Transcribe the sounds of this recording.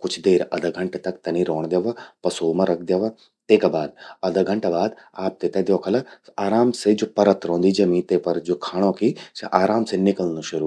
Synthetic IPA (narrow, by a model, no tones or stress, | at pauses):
kʊt͡ʃʰd̪eːɾɐ̰d̪ɐɡʱɐɳʈt̪ɐkt̪ɐnĩɾoːɳ̃d̪jeʋapɐsoːmɐ̃ɾɐk̚ʰd̪jeʋɐ | t̪eːkabaːd̪̚ɐd̪ɐɡʱɐɳʈabaːd̪aːp̚t̪et̪ed̪joːkʰɐlɐaːɾaːmsed͡ʒoːpɐɾət̪ɾõːnd̪iːd͡ʒɐmĩːt̪epɐɾd͡ʒoːkʰaːɽ̃õːkiseʔaːɾaːmsenɪkəlnuʃɐɾu